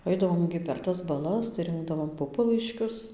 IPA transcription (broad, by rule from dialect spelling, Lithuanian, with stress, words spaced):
ˈɐɪdɐʋoːm ɡʲɪ pʲɛr ˈtɐs bɐˈlˠɐs tɐɪ ˈrʲɪŋɡdɐʋoːm ˈpʊpɐlˠɐɪʃʲkʲʊs